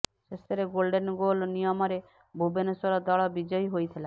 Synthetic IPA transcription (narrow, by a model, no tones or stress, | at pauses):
ʃest̪ʰeɾeɡolɖenɡolnijɔmɔɾe | bʱubenesɔɾɔd̪ɔɭɔbid͡ʒɔjɦojt̪ʰila